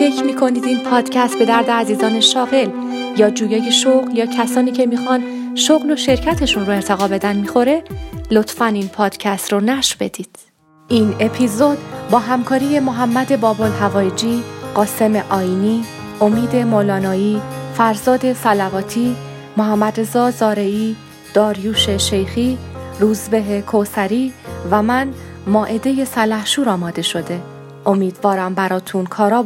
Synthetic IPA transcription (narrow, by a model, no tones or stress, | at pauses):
fe̞cʰmiːkʰo̞niːd̪inpʰɒːd̪̥cʰæst̪̚be̞d̪æɾd̪eæziːzɒːne̞ʃɒːɣe̞l | jɒːd͡ʒuːjɒːjeʃoɣljɒːcʰæsɒːniːcʰe̞miːxɒːnʃoɣlo̞ʃe̞ɾcʰæt̪ʰe̞ʃunroe̞ɾt̪ʰe̞ɣɒːbe̞d̪ænmiːxo̞ɾe̞lo̞t̪ʰfæninpʰɒːd̪̥cʰæst̪ronæʃbe̞d̪̥iːd̪̥ | ʔine̞pʰizod̪bɒːɦæmkʰɒːɾije̞moɦæmːæd̪e̞bɒːbolɦævɒːjd͡ʒiːɢɒːse̞meʔɒːiːniː | ʔo̞miːd̪e̞molɒːnɒːiːfæɾzɒːd̪e̞sælævɒːt̪ʰiː | moɦæmːæd̪ɾe̞zɒːzɒːɾe̞iː | d̪̥ɒːɾjuːʃe̞ʃe̞jxiɾuːzbe̞ɦekʰosæɾiːvæmæn | mɒːʔe̞d̪e̞je̞sælæhʃuːɾɒːmɒːd̪e̞ʃo̞d̪e̞ | ʔo̞miːd̪vɒːɾæmbæɾɒːt̪ʰunkʰɒːɾɒː